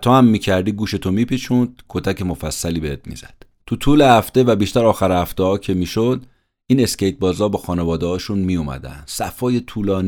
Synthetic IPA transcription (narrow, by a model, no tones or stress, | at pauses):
t̪ʰohæmːiːcʰæɾd̪iːɡuːʃe̞t̪ʰomiːpit͡ʃʰund̪̥kʰot̪ʰæcemo̞fæsːæliːbeet̪̚mḭz̥æd̪̥ | t̪ʰut̪ʰuːle̞hæft̪evæbiːʃt̪æɾɒːxæɾhæft̪ehɒːcʰe̞miːʃod̪ | iːne̞sce̞jt̪̚bɒːzɒːbɒxɒːne̞vɒːd̪ehɒːʃunmijumæ̰d̪æ̰nd̪̥sæfɒːje̞t̪ʰuːlɒːn